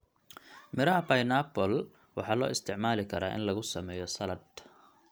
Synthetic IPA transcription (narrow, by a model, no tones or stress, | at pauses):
mɪɾɐɦɐpɐjnaːpɔl | wɑ̰ħɑːlɔ̰ːɪst̪ʰɪʕmaːlɪkʰɐɾa̰ːʔɪ̰nlɐɣʊsɐmɛːjɔsɐlɐd̪